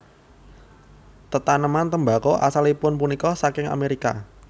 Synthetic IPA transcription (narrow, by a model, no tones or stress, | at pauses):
t̪ət̪anəmant̪əmba̤kɔʔa̰salipʊnpunikɔsakɪŋa̰meɾika̰